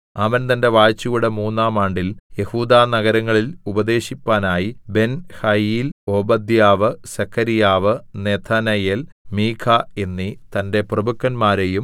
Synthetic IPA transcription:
ɐʋɐnt̪ɐnde̞ʋaːjt͡ɕːujuɽe̞muːnːaːmaːɳɖilje̞huːd̪aːnɐɣɐɾɐŋːɐɭilubɐd̪e̞ːɕipːaːnaːjibe̞nhɐjiːlo̞ːbɐd̪jaːʋɨsɐkʰːɐɾijaːʋɨneːt̪ʰaːnɐjeːl | miːkʰaenːit̪ɐnde̞prɐbukːɐnmaːɾejum

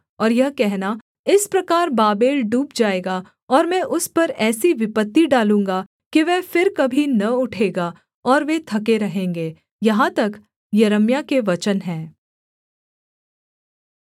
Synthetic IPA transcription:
ɔːɾjɐɦkɛɦna | ɪspɾɐkaːɾbaːbeːlɖuːpd͡ʒaːeːɡa | ɔːɾmɛ̃ʔʊspɐɾɛːsiʋɪpət̪ːiɖaːlũːŋɡa | kiʋɛːfɪɾkɐbʱinɐʊʈʰeːɡaː | ɔːɾʋet̪ʰɐkeɾɐɦẽːŋɡeː | jɐɦãt̪ɐk | jɐɾəmjakeʋɐt͡ʃənɦɛ̃ː

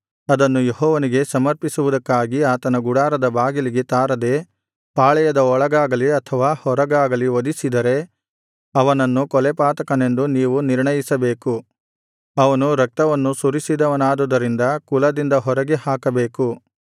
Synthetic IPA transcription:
ɐd̪ɐnːujeɦɔːʋɐniɡe̞sɐmɐɾpisuʋud̪ɐkːaːɡiaːt̪ɐnɐɡuɽaːɾɐd̪ɐbaːɡiliɡet̪aːɾɐd̪eː | paːɭɛjɐd̪ɐɔɭɐɡaːɡɐliɐt̪ʰɐʋaːhɔɾɐɡaːɡɐliʋod̪isid̪ɐɾe̞ | ɐʋɐnɐnːukɔlɛpaːt̪ɐkɐne̞nd̪uniːʋuniɾɳɐjisɐbe̞ːku | ɐʋɐnuɾɐk̚t̪ɐʋɐnːusuɾisid̪ɐʋɐnaːd̪ud̪ɐɾind̪ɐkulɐd̪ind̪ɐɦɔɾɐɡehaːkɐbe̞ːku

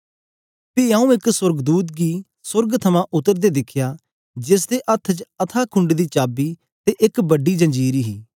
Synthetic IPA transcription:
piaːũːɪksʊɾɡd̪uːt̪̚ɡiː | sʊɾɡt̪ʰəmãːʔʊt̪əɾd̪eːd̪ɪkʰjaː | d͡ʒɪs̬d̪eːʔət̪ʰːt͡ʃət̪ʰaːkʰʊ̃ɳɖd̪iːt͡ʃaːbiː | t̪eːʔɪkbəɖiːd͡ʒə̃ɲd͡ʒiːɾiːɦiː

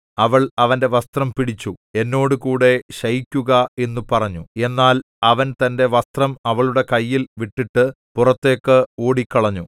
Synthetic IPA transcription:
ɐʋɐɭɐʋɐnde̞ʋɐst̪rɐmpiɽit͡ɕːue̞nːo̞ːɽɨkuːɽe̞ɕɐjikʲːuɣɐe̞nːupɐrɐɲːue̞nːaːl | ɐʋɐnt̪ɐnde̞ʋɐst̪rɐmɐʋɐɭuɽe̞kɐjːilʋiʈːiʈːɨ | purɐt̪ːe̞ːkːɨo̞ːɽikʲːɐɭɐɲːu

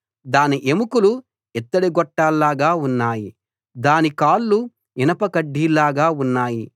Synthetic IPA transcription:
d̪aːniʔemukulu | ɛt̪ːɐɽiɡɔʈːaːlːaːɡaːunːaːji | d̪aːnikaːlːu | ɛnɐpɐkɐɖːiːlaːɡaːunːaːji

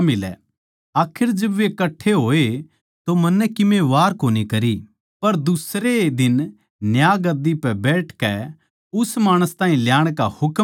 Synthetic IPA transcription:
mɪlɛ̰ | aːkʰɪɾd͡ʒɐbʋekɐʈʰːeɦoːe | t̪omɐnːɛkɪmẽʋaːɾkoːnikɐɾi | pɐɾd̪ʊsɾed̪ɪn | njaːɡɐd̪ipɛbɛːʈʰkɛ | ʊsmaːɽ̃əst̪ãːĩljaːɽ̃kahʊk

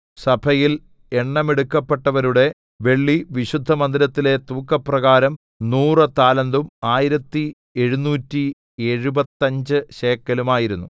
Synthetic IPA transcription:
sɐbʱɐjil | eɳːɐmeɽukːɐpːe̞ʈːɐʋɐɾuɽe̞ | ʋe̞ɭːiʋiɕud̪ʱːɐmɐnd̪iɾɐt̪ːile̞t̪uːkːɐprɐɣaːɾɐm | nuːrɨt̪aːlɐnd̪umaːjiɾɐt̪ːi | e̞ɻunuːtːi | e̞ɻubɐt̪ːɐɲd͡ʑɨɕe̞ːkːɐlumaːjiɾunːu

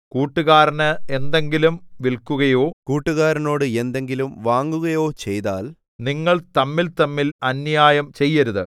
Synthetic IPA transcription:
kuːʈːuɣaːɾɐnɨend̪e̞ŋɡilumʋilkuɣɐjo̞ːkuːʈːuɣaːɾɐno̞ːɽɨe̞nd̪e̞ŋɡilumʋaːŋɡuɣɐjo̞ːt͡ɕe̞jt̪a̰ːl | niŋːɐɭt̪ɐmːilt̪ɐmːilɐnjaːjɐmt͡ɕe̞jːɐɾuðɨ

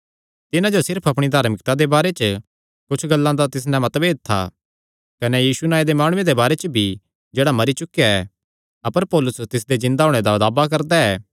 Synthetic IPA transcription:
t̪ɪnãd͡ʒosɪɾpʰɐpɽ̃id̪ʱaːɾmɪk̚t̪ad̪ebaːɾet͡ʃə | kʊt͡ʃʰɡɐlːãd̪at̪ɪs̬nɛ̃mɐt̪beːdt̪ʰːa̰ | kɐnejiːsunaːed̪emaːɽ̃ʊ̃ẽd̪ebaːɾet͡ʃəbʱi | d͡ʒeːɽamɐɾit͡ʃʊkːejaɛː | ɐpəɾpɔːlʊst̪ɪsd̪ezɪ̃nd̪aɦoːɽ̃ed̪ad̪aːbak̬ɐɾd̪aɛː

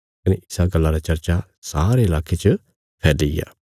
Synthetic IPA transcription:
kɐneʔɪsaɡɐlːaɾat͡ʃɐɾt͡ʃa | saːɾeɪlaːkʰet͡ʃə | pʰɛːdeɪ̰ja̰

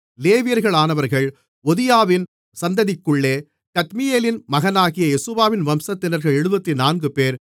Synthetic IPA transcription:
leːʋɪjɐɾɣɐɭaːnɐʋɐɾɣɐɭ | ɔðɪjaːʋɪn | sɐnd̪ɐðɪkːɯɭːeː | kɐt̪mɪjeːlɪnmɐɣɐnaːɣɪjɐɛsɯʋaːʋɪnʋɐmsɐt̪ːɪnɐɾɣɐɭɛɻɯbɐt̪ːinaːnɡɯpeːɾ

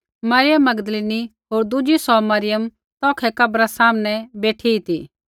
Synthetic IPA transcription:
mɐɾɪjəmːɐɡd̪əliːniɦoːɾd̪ʊd͡ʒisɔmɐɾɪjəm | t̪ɔːkʰɛkɐbɾasaːmnɛbeːʈʰiit̪iː

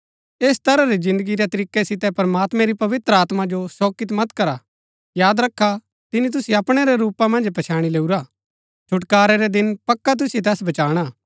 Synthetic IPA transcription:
eːst̪ɐɾaɾizɪ̃nd̪əɡiɾɛt̪ɐɾiːkːɛsɪt̪ɛpɐɾmaːt̪mɛ̃ɾipɐʋɪt̪ɾəaːt̪mad͡ʒosoːkɪt̪mɐt̪kɐɾa | jaːd̪ɾɐkʰːa | t̪ɪnit̪̬ʊsiɐpɽ̃ɛɾɛɾuːpamɐ̃nd͡ʒpɐt͡ʃʰaːɽ̃ileːuɾa | t͡ʃʰʊʈkaːɾɛɾɛd̪ɪnpɐkːat̪̬ʊsiet̪̬ɛːsbɐt͡ʃaːɽ̃aː

